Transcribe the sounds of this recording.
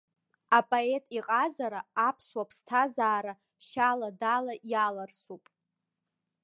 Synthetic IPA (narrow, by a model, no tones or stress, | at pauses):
apʼoetʼiqʼazaɾaapʰswapʰstʰazaːɾa | ʃaladalaʔjalarsupʼ